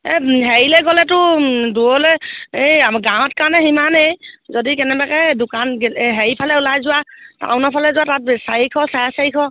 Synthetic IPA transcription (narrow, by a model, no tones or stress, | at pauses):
ɛɦɛɹilɛɡɔlɛtʊduɔlɛeɡãw̃ɔtkaɹnɛximanejzɔdikɛnɛbakɛdʊkanɡɦeɹipʰalɛʊlajzʊwata̰ʊnɔpʰalɛzʊatat̚sajikʰɔsajasajikʰɔ